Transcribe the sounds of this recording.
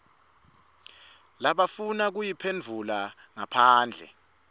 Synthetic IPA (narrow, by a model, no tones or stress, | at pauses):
laɓafunak̬ujipʰend͡vʱula | ŋapʰaːnd͡ɮʱɛ̰